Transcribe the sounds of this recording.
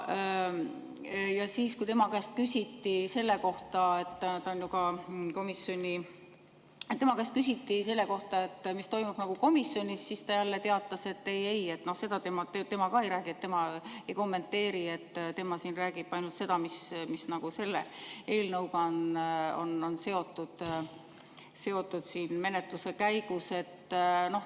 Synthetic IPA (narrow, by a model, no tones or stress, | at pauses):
jɑsiːskujt̪e̞mɑkæst̪̚kysʲit̪ːise̞lːe̞ko̞ht̪ɑe̞t̪ːt̪onjoɡ̥ɑko̞misːjo̞nʲi | et̪t̪ːe̞mɑkæst̪̚kysʲit̪ːise̞lːeko̞ht̪ɑe̞t̪ːmist̪o̞jmub̥nɑɡ̥uko̞misːjo̞nʲisːist̪ɑjælːe̞t̪e̞ɑt̪ˑːɑse̞t̪ːe̞je̞je̞t̪ːno̞hse̞d̪̥ɑt̪emɑt̪et̪e̞mɑkɑe̞jɾæːɡ̥iet̪ːe̞mɑe̞jko̞mːe̞nt̪ːe̞ːɾiet̪ːt̪e̞mɑsiːnræːɡ̥ib̥ɑjnult̪se̞d̪̥ɑmismisnɑɡ̥use̞lːee̞ːlnɤwɡɑno̞̰no̞nse̞o̞t̪ˑːud̪̥ | se̞o̞t̪ˑːud̪̥siːnme̞net̪luse̞kæjɡ̥use̞t̪ːno̞h